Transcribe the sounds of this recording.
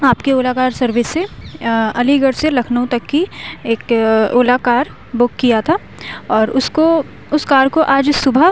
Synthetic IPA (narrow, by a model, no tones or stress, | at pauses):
aːpkeoːlakaːɾsɐɾʋɪsːe | ɐliɡəɽselɐkʰnəũt̪ɐkːieːkoːlakaːɾ | bʊkːijat̪ʰa | ɔːɾʊsko | ʊskaːɾkoʔaːd͡ʒsʊbʱə